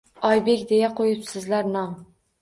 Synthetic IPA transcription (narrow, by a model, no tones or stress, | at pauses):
ɒjbekʲd̪e̞jaqʰojɪpsɪzlaɾnɒŋ